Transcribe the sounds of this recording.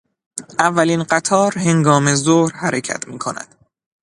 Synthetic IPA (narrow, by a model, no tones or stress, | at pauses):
ʔævːæliːnɢæt̪ʰɒːɾhe̞ŋɡɒːmezohɾhæɾecʰæ̰t̪ʰmiːkʰo̞næ̰d̪̥